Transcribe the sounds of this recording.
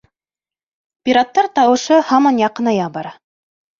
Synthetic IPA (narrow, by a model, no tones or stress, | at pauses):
pʲiɾat̪ːɑɾt̪ɑwɤ̆ʃɤhɑmɑnjɑqɤ̆nɑjɑbɑɾɑ